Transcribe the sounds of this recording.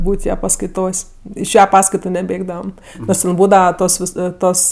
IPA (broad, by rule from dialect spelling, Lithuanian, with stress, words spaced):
ˈbuːtʲ ˈjɛ pɐskɐɪˈtoːsʲ ɪʃ ˈjɛ ˈpɑːskɐɪtʊ nʲɛˈbʲeːɡdɐʋɐm noːrs tʲɛn ˈbuːdɐʋɐ ˈtoːs ˈʋʲɪs ˈtoːs